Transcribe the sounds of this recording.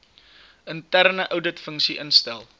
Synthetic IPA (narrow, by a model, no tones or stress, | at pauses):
əntærnəʔəwdətfəŋksiʔənstælˠ